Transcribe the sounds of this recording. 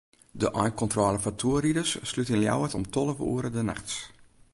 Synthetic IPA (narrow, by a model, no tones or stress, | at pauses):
dəʔɔjkɔntrɔːləfatʰuəridəsːlytənlja̰wətɔ̰mtʰɔləvṵːəɾədəna̰xts